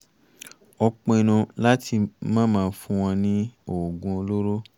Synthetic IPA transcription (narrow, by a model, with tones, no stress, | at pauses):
ɔ˧k͡pɔ̃˧e˨˧nũ˧la˦ti˧mãː˦mãː˦˧˦fũ˦w̃ɔ̃˧nĩ˦o˨ɡũ˧o˧lo˦ɾo˦